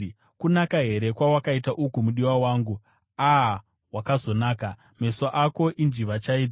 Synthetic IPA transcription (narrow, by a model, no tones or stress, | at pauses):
kunakaɦe̞ɾe̞kwawakaitaʔukumuɗiwawaːŋɡu | a | wakazo̞naːka | me̞soʔako̞ʔind͡ʒiʋat͡ʃaid͡z